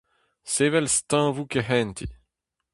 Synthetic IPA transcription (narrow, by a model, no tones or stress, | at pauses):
seːvɛlst̪ãvukeɦɛ̃nt̪ʰi